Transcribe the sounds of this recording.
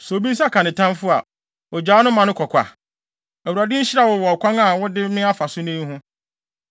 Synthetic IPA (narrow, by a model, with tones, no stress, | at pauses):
sɔ˨o˨bi˦s̬a˦˨kʰã˨nɪ̃˨tʰã˦mfʊ˦a̰˨ | ɔ˨d͡ʑaː˨˦nʊ̃˦mã˨nʊ̃˦kʰɔ˨kʷʰa̰˨ | æ˨wu˨ɾa˨dɪ̃˦ɲ̩˦ɕɾa˦˨wɔ˨wɔ˨kʷʰã˦ŋa˨wɔ˦dɪ˦mɪ̃˦a˦fa˨sʊ˦nĩ˦ɦʊ̃˦